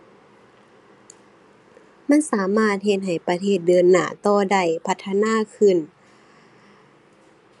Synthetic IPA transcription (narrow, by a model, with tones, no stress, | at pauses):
ma˧˥˨nsaː˨˦maː˥˩t̪̚he˧t̪̚ɦa˨˩jpa˧t̪ʰeː˧˩t̪̚dɤː˧nːa̰ː˧˩t̪ɔː˧˩da˧˩jpʰa˧t̪ʰːa˧naː˧˥˨kʰɯ˧˩˨n